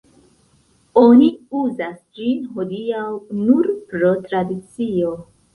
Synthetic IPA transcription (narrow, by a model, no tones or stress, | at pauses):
o̞niuzasd͡ʒinɦodiawnuɾpɾo̞tɾadit͡sio̞